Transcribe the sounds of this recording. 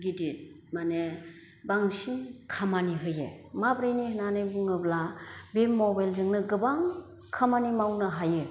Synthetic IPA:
ɡidit̚ | mane | baŋsinkʰamaniɦɯjḛmabɾɯjnihnanɯjbuŋɯblabemmːɔbajlzɯŋnɯɡɯbaŋ | kʰamanimawnɯɦajɯ

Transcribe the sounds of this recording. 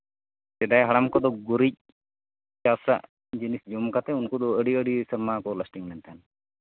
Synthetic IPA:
t̪ɛd̪ajɦaɽamkɔd̪ɔɡuɾic̚ | t͡ʃasa̰ʔ | d͡ʒinisd͡ʒɔmkat̪ɛunkɔd̪ɔəɖiəɽisəɾmakɔləsʈiŋlɛnt̪ʰan

